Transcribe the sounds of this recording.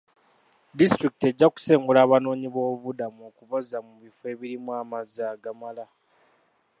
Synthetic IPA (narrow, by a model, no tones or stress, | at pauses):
distɾiki̥te̞ɟːaku̥se̞ːŋɡulaːβano̞ːɲiβo̞ːβudamuo̞ːkuβozamuβife̞ːβiɾimwaːmazaːɡamala